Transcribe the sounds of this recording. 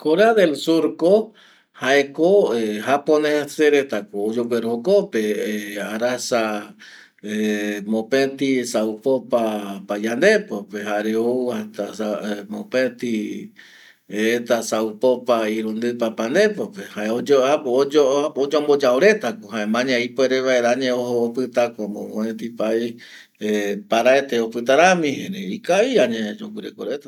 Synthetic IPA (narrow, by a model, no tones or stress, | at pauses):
koɾeaðelsuɾko | haekoeɦaponeaseɾet̪akoːd͡ʒowʷeɾokopeeaɾasa | emõpet̪isaupopapajand̪epopeɦaɾeouat̪asaemõpẽt̪i | et̪asaupopaiɾũnd̪ɨpapand̪e̞popehaeod͡ʒoaod͡ʒood͡ʒombod͡ʒaoɾe̞t̪akoɦaẽmãɲãipeɾeʋaeɾaɲẽohoopɨt̪akomõõẽt̪ipai | epaɾaet̪eopɨt̪aɾamĩheɾeikaiaɲẽd͡ʒokɨɾḛkoɾet̪a